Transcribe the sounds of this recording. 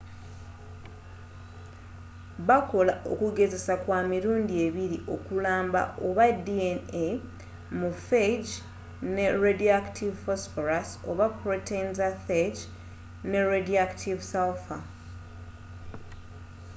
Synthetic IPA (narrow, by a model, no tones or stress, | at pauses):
βako̞laʔo̞̰kuɡe̞ze̞sakwaːmiɾuːndie̞βiɾiʔo̞kulaːmba̰o̞βadiene | mufed͡ʒ | ne̞ɾediaktʰivfosfoɾaso̞βapɾotenzaθed͡ʒ | ne̞ɾediaktʰivsawfa